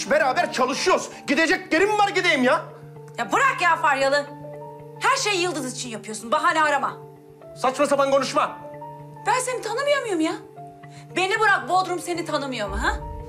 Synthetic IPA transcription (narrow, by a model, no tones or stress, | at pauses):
ʃbeɾaːbæɾt͡ʃʰalˠɯʃujoɾ | ɟid̪ed͡ʒɛc̚lʲeɾimvaɾɟid̪ejimja | jabuɾakjaːfaɾjalˠɯ | hæɾʃejːɯlˠd̪ɯzit͡ʃʰinjapʰɯjo̞sunbaɦaːnʲɛaɾama | sat͡ʃmasabanɡʰo̞nuʃma | b̥ænse̞nit̪ʰanɯmɯjomɯjomja | be̞nibuɾak̚bold̪ɾumse̞nit̪ʰanɯmɯjo̞ɾmɦa